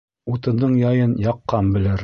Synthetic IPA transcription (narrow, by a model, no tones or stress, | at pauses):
ut̪ɤ̆nd̪ɤɴjɑjɤnjɑqːɑmbɘ̆lɘɾ